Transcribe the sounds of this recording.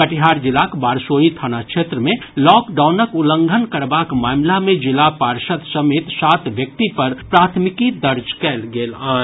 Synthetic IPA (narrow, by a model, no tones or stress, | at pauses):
kəʈɪɦaːɾd͡ʒɪlakbaːɾsoːit̪ʰaːnakʃʰeːt̪ɾəmẽlɔːkɖaːʊnəkʊlə̃ŋɡʱənkəɾbaːkmaːmlamẽd͡ʒɪlapaːɾʃət̪sɐmeːt̪saːt̪ʋjək̚t̪ipɐɾpɾaːt̪ʰmɪkid̪əɾd͡ʒkɛːlɡeːlaː